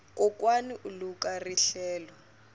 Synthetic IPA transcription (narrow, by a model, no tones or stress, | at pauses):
kɔkwaniʔulukʼariɬɛːlɔ